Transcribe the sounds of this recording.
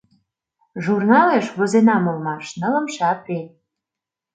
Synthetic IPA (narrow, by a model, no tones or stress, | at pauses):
ʒurnɑleʃβozenɑmolmɑʃnələ̆mʃɑpen